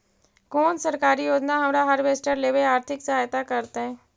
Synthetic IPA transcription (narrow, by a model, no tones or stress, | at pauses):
kɔːnsɐɾkaːɾijoːd͡ʒnaɦɐmɾaɦɐɾʋeːsʈəɾleːʋeaːɾt̪ʰɪksɐɦaːjt̪akɐɾt̪eɦɛ̃ː